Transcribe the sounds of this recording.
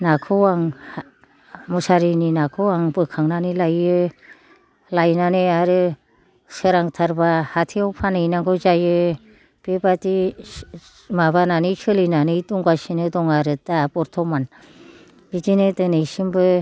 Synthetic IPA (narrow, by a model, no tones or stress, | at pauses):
nakʰɯwaŋ | mɔsaɾininakʰɯwaŋbɯkʰaŋnanilajɯ | lajnaneaɾɯ | sɯɾaŋtʰaɾbahatʰiawpʰanɯjnaŋɡɯzajɯ | b̥ebati | mabananɯsʰɯlɯjnanɯjtuŋɡasinɯdɔŋaɾɯtapɔɾtʰɔman | bid͡ʒinɯtɯnejsimbɯ